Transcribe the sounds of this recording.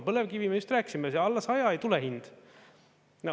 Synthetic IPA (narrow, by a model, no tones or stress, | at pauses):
pɤlevkivimeyst̪ræːkːisimeseɑlːɑsɑjɑejt̪uleɦind̪̥ | no